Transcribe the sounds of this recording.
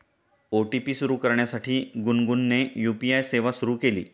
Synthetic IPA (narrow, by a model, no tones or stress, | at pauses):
oʈipiːsuɾuːkəɾɳjasaʈʰiːɡunɡunːejupiajseʋasuɾuːkelḭː